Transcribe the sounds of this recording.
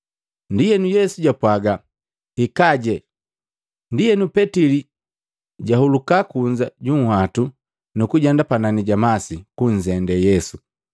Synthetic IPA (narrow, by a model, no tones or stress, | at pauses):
ndijɛnujɛsuɟapwaɡa | ikaɟɛ | ndijɛnupɛtili | ɟahulukakuɲd͡ʒaɟuŋ̩hwatu | nukuɟandapananiɟamasikuɲzɛndɛjɛsu